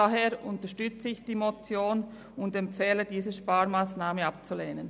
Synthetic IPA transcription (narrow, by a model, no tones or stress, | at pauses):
aɦeːɾʔʊntɐʃtʏt͡səɪçd̥iːmot͡sjoːn | ʊndɛmp͡fɛːlədiːzəʃpaːɾmaːsnaːməap̚t͡suleːnən